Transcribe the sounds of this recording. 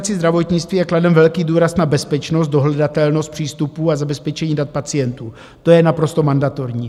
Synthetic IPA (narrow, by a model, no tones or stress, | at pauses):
t͡sɪzd̪ɾavo̞t̪ɲɪt͡st̪viːjɛkladɛmvɛlkiːduːɾasnabɛspɛt͡ʃnost̪do̞ɦlɛdat̪ɛlnost̪̚pr̝̥iːst̪upuːazabɛspɛt͡ʃɛɲiːdat̪̚pat͡sɪjɛnt̪uː | t̪o̞jɛnapɾo̞st̪o̞mandat̪o̞ɾɲiː